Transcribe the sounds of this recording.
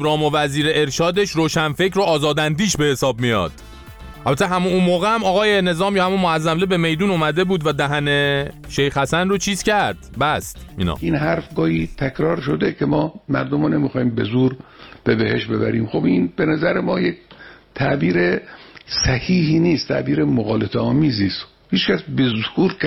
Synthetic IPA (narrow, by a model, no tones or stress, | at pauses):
ɾɒːmovæziːɾeeɾʃɒːd̪eʃɾoːʃænfe̞cʰɾoɒːzɒːd̪ænd̪iːʃbe̞he̞sɒːb̚mijɒ̰ːd̪̥ | ʔælbæt̪ʰːeɦæmunuːnmoːɣeæmɒːɣɒːje̞ne̞zɒːmjɒːhæmunmoæzːæmlebe̞me̞jd̪uːnuːmæd̪e̞buːd̪væd̪æɦæne̞ʃe̞jxhæsænrot͡ʃʰiːz̥cæɾd̪̥bæst̪mḭnɒ̰minɦæɾfɡɒːhiːt̪ʰækʰɾɒːɾʃod̪ekʰemɒːmæɾd̪omone̞mixɒːhiːmbe̞zuːɾb̥ebehe̞ʃbe̞bæ̰ɾiːmxo̞binb̥enæzæɾemɒːjekt̪ʰæʔbiːɾesæhiːhiːniːst̪t̪ʰæ̰ʔbiːɾemoɣɒːlet̪eɒːmiːziːst̪ | hiːt͡ʃkæsbe̞zuːɾk